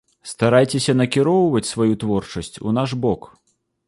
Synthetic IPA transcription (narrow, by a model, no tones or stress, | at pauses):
st̪aɾajt͡sʲesʲɐnɐkʲiɾɔwvɐt͡sʲsvajut̪vɔrt͡ʂɐsʲt͡sʲṵnaʂbɔk